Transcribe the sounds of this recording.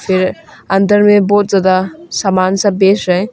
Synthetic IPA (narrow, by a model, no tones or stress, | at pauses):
pʰiɾɐnt̪əɾmebot̪̚zad̪asamansabesɾaj